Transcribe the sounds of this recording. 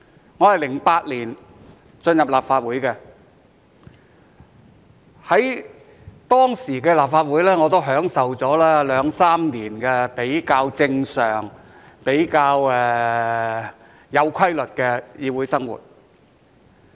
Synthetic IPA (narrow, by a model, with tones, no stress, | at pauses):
ŋɔː˨˧hɐ˨jlɪ˨˩ŋpaː˧t̚liː˨˩n | t͡sɵ˧njɐ˨p̚laː˨p̚faː˧t̚wu˨˥jkɛː˧ | hɐ˨˥j | t̪ɔː˥ŋsiː˨˩kɛː˧laː˨p̚faː˧t̚wu˨˥jlɛː˥ŋɔː˨˧t̪o˥wɦœː˨˥ŋsɐ˨wt͡sɔː˨˥laː˥lœː˨˥ŋsaː˥mniː˨˩nkɛː˧pe˨˥jkaː˧wt͡sɪ˧ŋsœː˨˩ŋ | pe˨˥jkaː˧wɛ˧ | jɐ˨˧wkʰɐ˥jlɵ˨t̚kɛː˧jiː˨˧wuː˨˥jsɐ˥ŋwṵː˨˩t̚